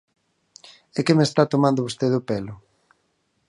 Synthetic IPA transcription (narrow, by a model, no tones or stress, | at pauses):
ekemest̪at̪omãnd̪ʊβost̪eðʊpelʊ